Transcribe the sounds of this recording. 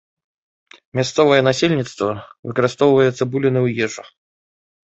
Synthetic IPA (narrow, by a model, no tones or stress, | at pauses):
mʲast̪sɔvɐjɛnasʲelʲnʲit̪st̪vɐvɨkɐɾɨst̪ɔwvɐjɛt̪sɐbulʲinɨwjɛʐɐ